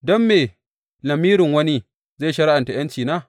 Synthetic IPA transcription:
dɔ˦mːeː˨ | lɐ˨miː˦ɾɪ˨ŋwɐ˦ni˦ | zaː˦˨ʃɐ˦ɽa˦ʔa˨nta˨j̰ɐ˦nt͡ʃiː˨naː˦˨

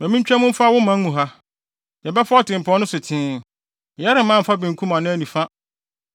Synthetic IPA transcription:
mæ̃˨mĩ˦t͡ɕᶣɛ˦mʊ̃˦m̩˦fa˦wʊ˦mã˦mũ˨ɦa˦ | jɛ˨bɛ˦fʊ˦ɔ˦tɪ̃˨m˨pʰɔ̃˦nʊ̃˦sʊ˨tʰɪ̃ː˨˦˨ | jɛ˦ɾɪ˨m˦ã˦m̩˨fa˦bɪ̃˨ŋ˨kʰũ˦mã˨nʊ̃˦æ˦nĩ˨fa˦

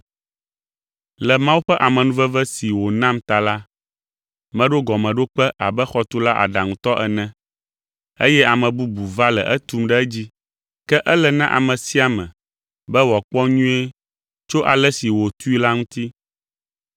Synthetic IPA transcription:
lɛ˨mã˦wu˦ɸɛ˦ʔa˨mɛ̃˨nũ˦vɛ˦vɛ˦si˨wo˨nã˦mt̪a˨la˦ | mɛ̃˦ɖo˦ɡɔ˨mɛ̃˨ɖo˦k͡pɛ˦ʔa˨bɛ˦xɔ˦t̪u˦la˦ʔa̰˨ɖa˨ŋũ˨t̪ɔ˦ʔɛ˨nɛ̃˨ | e˦jɛ˦a˨mɛ̃˨bu˦bu˨va˦lɛ̰˨ʔɛ˦t̪u˦mɖɛ˦d͡ʑi˦ | kɛ˦ʔɛ˦lɛ˨nã˦ʔa̰˨mɛ̃˨si˦a˨mɛ̃˨ | bɛ˦wɔ˨k͡pɔ˦ɲũ˦e˦ | t͡ʃo˦ʔa˨lɛ˦si˨wo˨t̪u˦i˦la˦ŋũ˦t̪i˦

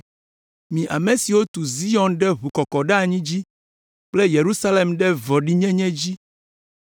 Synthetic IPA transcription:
mĩ˨ʔa˨me˨si˨wo˦t̪u˨zi˦ɔ˨nɖɛ˦ɦu˨kɔ˨kɔ˨ɖɛ˦a˨ɲĩ˦d͡ʑi˦ | k͡ple˦je˨ɾu˦sa˦le˨mɖɛ˦vɔ˨ɖi˦ɲɛ̃˦ɲɛ̃˦d͡ʑi˦

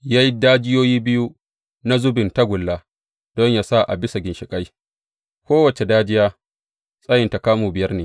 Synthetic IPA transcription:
jaː˦ji˦daː˦d͡ʒɪ˦joː˦jiː˦bɪ˦ju˦ | na˦zʊ˦bɪ˨nta˦ɡʷʊ˨lːaː˦ | d̥ɔ˦ɲjaː˨sa˦ʔa̰˨bɪ˦sa˨ɡʲɪ˨nʃɪ˨kʼa˦j | kʷoː˦wɐ˨t͡ʃe˨daː˦d͡ʒɪ˦jaː˦ | sʼɐ˦jɪ˨nta˨kaː˦muː˨bɪ˨jɐ˦rneː˨

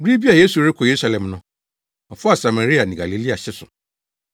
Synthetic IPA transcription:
ɡi˦bi˦a˨je˦su˨ɾɪ˦kʰɔ˨je˨ɾu˦sa˦lɛ̃˨mnʊ̃˦ | ɔ˨fʊ˦a˨sa˨ma˨ɾi˦a˨nɪ̃˨ɡa˨li˨˦li˦a˨ɕɪ˦sʊ˨

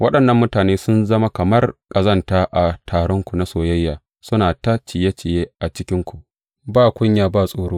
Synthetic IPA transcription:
wʔɐ˦ɗɐ˨nːɐ˦mːʊ˦taː˨neː˦sʊ˦nzɐ˦ma˦kɐ˨mɐ˦rkʼɐ˨zɐ˦ntaː˦ʔa˨tʰaː˨ɽɔ˦ŋkʷu˨na˦soː˨jɐ˦jːaː˨ | sʊ˦naː˨ta˦t͡ʃɪ˨je˦t͡ʃɪ˨jeː˦ʔa˨t͡ʃɪ˦kʲɪ˦ŋkʷu˨ʔ | baː˦˨kʷʊ˦ɲjaː˨baː˦˨sʼoː˦ɽoː˦

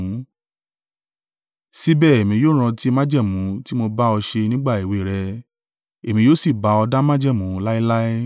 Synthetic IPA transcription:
si˦bɛː˦˨e˨mĩ˧joː˦ɾ̃ã˧ti˦mã˦d͡ʒɛ˦˨mũ˨˦ti˦mo˧ba˦ɔ˧ʃe˧nĩ˦ɡ͡ba˦˨e˨we˨ɾɛ˧ | e˨mĩ˧joː˦si˦˨ba˨˧˦ɔ˧da˦mã˦d͡ʒɛ˦˨mũ˨˦la˦i˦la˦ɛ˦

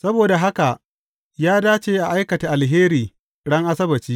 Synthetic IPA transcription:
sɐ˦boː˨da˨ɦa˦ka˨ʔ | jaː˦daː˦t͡ʃeː˦ʔa˨ʔa˦jkɐ˨ta˨ʔa˨lɦeː˦ɾiː˨ | ɽɐ˦ŋʔa˦sɐ˦bɐ˨t͡ʃiː˦

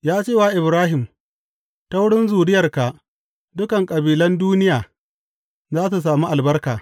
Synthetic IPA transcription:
jaː˦t͡ʃeː˦˨waː˨ʔɪ˨bɾaː˦ɦɪ˨m | ta˦wʊ˦ɽɪ˦nzuː˨ɽɪ˦jɐ˨rka˨ʔ | dʊ˦kɐ˨ŋkʼɐ˨biː˨lɐ˦nduː˦nɪ˦jaː˨ | zaː˦su˨s̬aː˨miː˦ʔa˨lbɐ˦rkaː˨

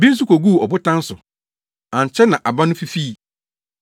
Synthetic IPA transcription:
bĩ˦n̩˦s̬u˦ko˨ɡu˦˨ɔ˨bʊ˦tʰã˦n̩˦sʊ˨ | ã˨ɲ˨t͡ɕʰɛ˦nã˨ʔa˨ba˦nʊ̃˦fi˦fi˦˨

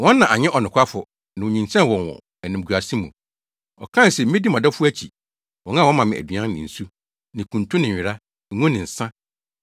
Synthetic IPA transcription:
wɔ̃˦nː˦ã˨ʔa˨ɲɪ̃˦ʔɔ˨nʊ̃˨kʷʰa˦fʊ˨ | nã˨o˨ɲĩ˨nt͡ɕʰɛ̃˦n˨wɔ̃˨nwɔ̰̃˨ | æ˨nɪ̃˨m˨ɡu˨a˨sĩ˦mũ˨ | ɔ̰˨kʰã˦n˨sɛ˨m̩˦ɪ̃˦di˦mã˨dɔ˦fʊ˦æ˦t͡ɕʰḭ˨ | wɔ̃˨ŋã˦˨wɔ̃˦mã˨mɪ̃˨æ̰˨di˨ã˦nnɪ̰̃˨n̩˨su˦ | nɪ̃˨kʰũ˨ntʰũ˦nɪ̃˨ɪ˨ɾa˦˨˦ | ŋũ˦nɪ̃˨n̩˨sã˦

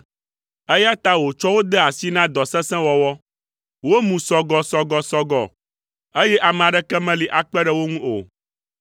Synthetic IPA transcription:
e˦ja˦t̪a˦wo˨t͡ʃɔ˦wo˦d̪ɛ˦a˨si˦nã˦d̪ɔ˨sɛ̃˦sɛ̃˦wɔ˨wɔ˦ | wo˦mũ˨sɔ˨ɡɔ˨sɔ˨ɡɔ˨sɔ˦ɡɔ˨ | e˦jɛ˦ʔa˨mɛ̃˨a˨ɖɛ˦kɛ˦mɛ̃˦li˨ʔa˨k͡pɛ˦ɖɛ˦wo˦ŋũ˦o̰˨

